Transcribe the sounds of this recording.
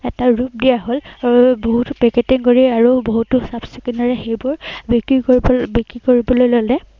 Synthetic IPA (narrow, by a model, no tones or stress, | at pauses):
ɛtaɹup̚dijaɦolboɦutʊpɛketiŋkoɹiaɹuboɦutʊsabsikinɔɹɛxejbʊɹbikɹibikɹikoɹibɔlojlolɛ